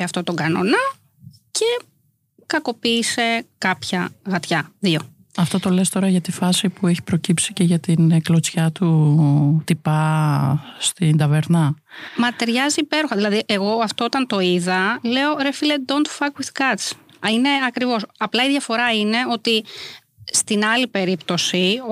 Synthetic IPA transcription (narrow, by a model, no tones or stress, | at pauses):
ɐft̪o̞t̪o̞ɡɐno̞̰nɐ | ce̞ | kɐko̞piːse̞kɐpçɐɣɐt̪çɐðio̞ | ɐft̪o̞t̪o̞le̞st̪o̞ɾɐʝɐt̪ifɐsipueçi̥pɾo̞cipsice̞ʝɐt̪ineklo̞t͡sçɐt̪u | t̪ipɐ | st̪ind̪ɐve̞ɾnɐ | mɐt̪ɾʝɐziːpe̞ɾoxɐðilɐðiʔe̞ɣo̞ɐft̪oot̪ɐnt̪o̞iðɐle̞o̞ɾefiled̪ont̪fɐkwiðkɐt͡sine̞ɐkɾivo̞sɐplɐiðʝɐfo̞ɾɐine̞o̞t̪i | st̪inɐlipe̞ɾipt̪o̞si